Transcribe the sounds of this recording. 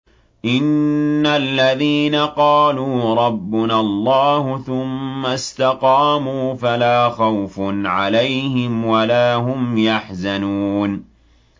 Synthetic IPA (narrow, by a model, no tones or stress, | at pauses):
ʔɪnːalːaðiːnaqɑːluːɾˤɑbːʊnalˤːɑːhʊθʊmːast̪ɑqɑːmuːfalaːxawfʊnʕalajhɪmwalaːɦʊmjaħzanuːn